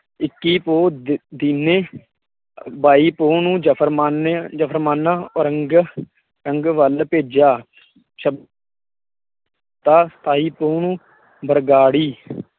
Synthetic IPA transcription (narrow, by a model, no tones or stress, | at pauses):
ɪkːiːpoːd̪iːneː | baːiːpoːnũːd͡ʒəpʰəɾmaːned͡ʒəpʰəɾmaːnãːɾəŋɡ | ɾəŋɡʋəlpeːd͡ʒaː | ʃəb | t̪aːsə̥t̪ʰaːiːpoːɳũː | bəɾɡaːɽiː